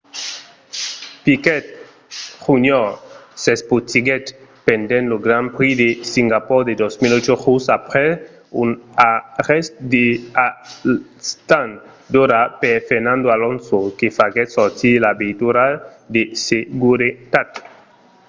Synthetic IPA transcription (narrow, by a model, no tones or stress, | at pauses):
pikɛt̪̚ | χuɲɔsesput̪iɡɛt̪pend̪ẽnloɡɾampɾid̪esiŋɡapɔɾd̪ed̪osmilot͡ʃoχusapɾɛ | unaʁɛst̪d̪ea | st̪an | d̪oɾapefeɾnãnd̪oalõnsokefaɡɛt̪sɔɾt̪ilabet̪uɾa | d̪eseɡuɾit̪at̪